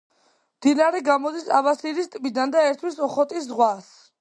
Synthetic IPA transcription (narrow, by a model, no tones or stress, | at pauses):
md̪inaɾɛɡamɔd̪isabasiɾist̪ʼmid̪and̪aɛɾt̪ʰwisɔχɔt̪ʼis̬zʁwas